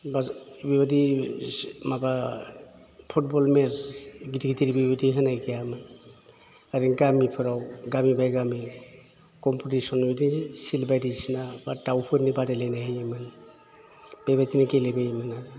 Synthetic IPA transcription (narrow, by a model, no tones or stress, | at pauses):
babiβadi | maba | pʰut̚bɔlmesɡitʰiɡitʰiɾibibadiɦɯnajɡijamɯn | aɾiŋɡamipʰɯɾawɡamibajɡami | kɔmputisɔnbedisilbajdisinabatawpʰɯɾnibadelajnaɦejemɯn | b̥ebajtʰinakelebejmɯna